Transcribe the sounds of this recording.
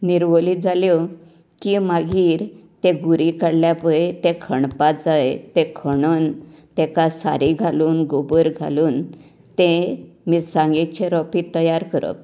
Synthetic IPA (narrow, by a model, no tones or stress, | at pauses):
niɾʋoliːd͡zʱaljo | kimaɡiːɾt̪eɡuɾikəɽljapəet̪ekʰəɳpad͡zaet̪ekʰəɳənt̪ekasa̰ɾiɡʱaluːnɡobəɾɡʱa̰luːn | t̪emiːɾsãŋɡet͡ɕeɾɔpiːt̪ːəjaɾkəɾə̰